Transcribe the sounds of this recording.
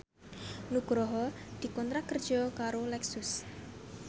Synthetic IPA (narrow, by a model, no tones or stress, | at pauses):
nuɡ̥ɾɔɦɔd̪̥i̤kɔnt̪ɾakərd̥ʒ̥ɔkaɾolɛksʊs